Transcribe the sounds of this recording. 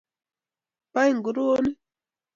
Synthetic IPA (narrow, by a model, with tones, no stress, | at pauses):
pa˦jŋ˨ɡu˨ɾu˦o˦ni˦